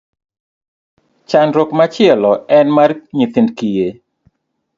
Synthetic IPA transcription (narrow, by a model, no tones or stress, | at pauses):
t͡ʃanɾokmat͡ʃɪɛlɔɛnmarɲiθindkije